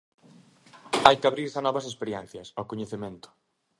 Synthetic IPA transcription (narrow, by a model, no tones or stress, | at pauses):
ajkaβɾiɾsanɔβɐsespeɾjɛ̃n̟θjɐsawkoɲeθemẽnt̪ʊ̥